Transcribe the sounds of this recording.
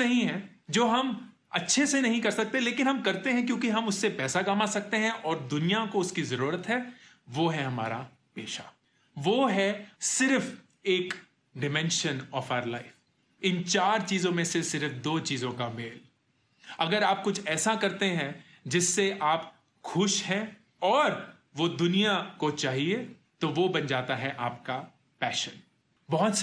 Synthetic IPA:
ɐɦĩɦɛ̃d͡ʒoːɦɐm | ɐtːʃʰesenɐɦĩkɐɾsɐk̚t̪eleːkɪ̃nɦɐmkɐɾt̪eɦɛ̃k̬jõːkiɦɐmʊsːepɛːsakaːmasɐk̚t̪eɦɛ̃ʔɔːɾd̪ʊnijakoʊskizɐɾuːɾət̪ɦɛ | ʋoːɦɛɦɐma̰ːɾa̰ | peːʃa̰ | ʋoːɦɛsɪɾf | eːk | ɖɪmɛ̃nʃənɔːfaːʊəɾla̰ɪf | ɪ̃nt͡ʃaːɾt͡ʃiːzõmẽsesɪɾfd̪oːt͡ʃiːzõkameːl | ɐɡəɾaːp̚kʊt͡ʃʰɛːsakɐɾt̪eɦɛ̃ | d͡ʒɪsːeʔaːp | xʊʃɦɛ̃ | ɔːɾ | ʋod̪ʊnijakot͡ʃaːɦie | t̪oʋobɐnd͡ʒaːt̪aɦɛʔaːp̚ka | pɛːʃən | bɔɦʊt̪s

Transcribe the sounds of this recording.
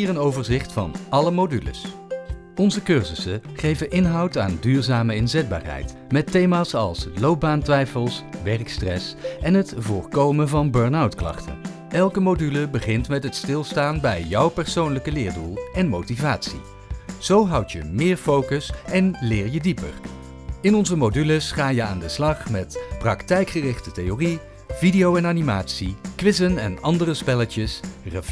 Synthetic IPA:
iːrənowvəɹzɪχtfɑ̰nʔɑləmodylə̰s | ɔnzəkøɹzəsəχejvəʔɪnɦɑwta̰ːndyːɹzaːməɪnzɛd̚ba̰ːɹɦɛ̰jt | mɛtːejmaːsɑ̰lˠslowb̚baːntʋɛjfəlˠsʋɛɹkstrɛ̰sʔɛnɦətvʊːɹkowmənvɑnbøɹnawtklɑ̰χtə̰n | ʔɛlˠkəmodyləbəχɪntmɛtɦətstɪlˠstaːnbɛjjʌwpɛɹsownləkəlɪːɹdulˠɛnmowtivaːtsḭ | z̥owɦʌwtjəmɪːɹfowkəsɛnlɪːɹjədipə̰ɹ | ɪnɔnzəmodyləsχaːjəa̰ːndəslɑχmɛtprɑktɛjkχərɪχtətejori | vidijowɛnaːnimaːtsikʋɪzənɛnɑndərəspɛlətəsrəf

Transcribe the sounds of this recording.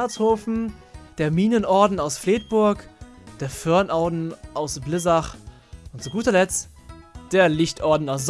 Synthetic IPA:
ɛɐt͡shoːfn̩d̥eːɐmiːnənʔɔɐdn̩aʊsfleːt̚b̥ʊɐkd̥eːɐfœɐnʔaʊdn̩ʔaʊsblɪzaχ | ʔʊntt͡suɡuːtɐlɛt͡st | d̥eːɐlɪçtʔɔɐdn̩aʊs̬z̥

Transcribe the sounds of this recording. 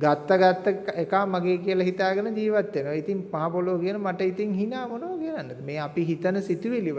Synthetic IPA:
ɡat̪ːəɡat̪ːəekaːmaɡeːkiəlɐɦit̪aːɡənəd͡ʒiːʋat̪ːenoʋit̪iŋpaɦapoloʋkiənəmaʈəit̪iŋɦinaːmonoʋəkiənanːəd̪meːapiɦit̪ənəsit̪uʋiliʋ

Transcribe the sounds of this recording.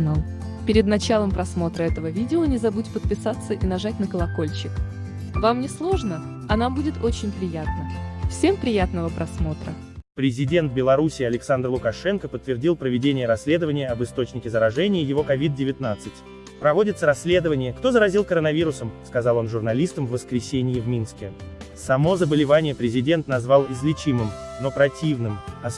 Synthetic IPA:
nalˠ | pʲɪɾʲɪd̪nɐt͡ɕalˠəmpɾɐsmo̞t̪ɾəɛt̪əvəvʲidʲɪonʲɪzɐbutʲpət̪̚pʲɪsat̪sːəʔinɐʐat̚ʲnəkəlˠɐko̞lʲt͡ɕɪk | vamnʲɪslˠo̞ʐnə | ɐnambudʲɪt̪o̞t͡ɕɪnʲpɾʲɪjat̪nəfsʲe̞mpɾʲɪjat̪̚nəvəpɾʔɐsmo̞t̪ɾə | pɾʲɪzʲɪdʲe̞nt̪̚bʲɪlˠɐɾusʲɪːɐlʲɪksand̪rlˠʊkɐʂɛnkəpət̪ːvʲɪrdʲilˠpɾəvʲɪdʲenʲɪjəɾɐsʲːlʲe̞d̪əvənʲɪjəɐbɨst̪o̞t͡ɕnʲɪkʲɪzəɾɐʐɛnʲɪjəjɪvo̞kɐvʲid̪̚dʲɪvʲɪt̪nat̪sɨtʲ | pɾɐvo̞dʲɪt̪səɾɐsʲlʲe̞d̪əvənʲɪjəkt̪o̞zəɾɐzʲilˠkəɾənɐvʲiɾʊsəmskɐzɑlˠo̞nʐʊrnɐlʲist̪əmvːəskɾʲɪsʲenʲɪjɪvmʲinskʲesɐmo̞zəbəlʲɪvanʲɪjəpɾʲɪzʲɪdʲe̞nt̪nɐzvalˠɪzlʲɪt͡ɕimɨmno̞pɾɐtʲivnɨmɐ

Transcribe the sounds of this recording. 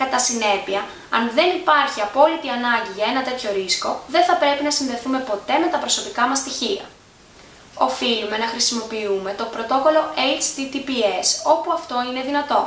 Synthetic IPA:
kɐt̪ɐsine̞piɐ | ɐnðe̞nipɐɾçiɐpo̞lit̪iɐnɐɲɟiʝɐe̞nɐt̪e̞t̪ço̞ɾisko̞ðe̞nθɐpɾe̞pinɐsinðe̞θume̞po̞t̪e̞me̞t̪ɐpɾo̞so̞pikɐmɐst̪içiɐ̰ | o̞filume̞nɐxɾisimo̞piume̞t̪o̞pɾo̞t̪o̞ko̞lo̞ʔelt͡ʃt̪it̪ipie̞so̞puɐft̪o̞ine̞ðinɐt̪o̞

